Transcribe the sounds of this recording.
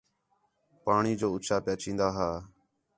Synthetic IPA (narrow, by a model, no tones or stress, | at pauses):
paːɳiːd͡ʒoːʊt͡ʃaːpɪjaːt͡ʃĩːnd̪aːɦaː